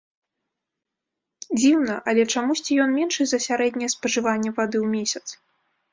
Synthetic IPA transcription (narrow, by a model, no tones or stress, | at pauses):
d͡zʲiwnɐʔɐlʲɛt͡ʂamusʲt͡sʲijɔnmʲɛnʂɨzɐsʲaɾɛd̪ʲnʲɛjɛspɐʐɨvanʲːɛvad̪ɨwmʲesʲɐt̪s